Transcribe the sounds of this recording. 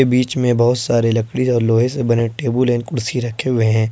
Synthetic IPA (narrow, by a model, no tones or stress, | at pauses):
ebiːt͡ʃmẽbɐɦʊt̪saːɾelɐkɽiɔːɾloːɦẽsebɐneʈeːbulɛːnkʊɽsiɾɐkʰeɦʊeɦɛ̃ː